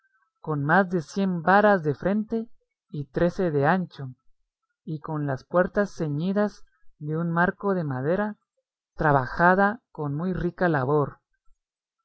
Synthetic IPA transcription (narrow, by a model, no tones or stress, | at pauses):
ko̞nmazðe̞sje̞mbaɾazðe̞fɾe̞nt̪e̞ | it̪ɾe̞se̞ðe̞ant͡ʃo̞ | iko̞nlaspwe̞ɾt̪asːe̞ɲiðaz | ðe̞unmaɾko̞ðe̞maðe̞ɾa | t̪ɾaβaxaðakonmujrikalaβo̞ɾ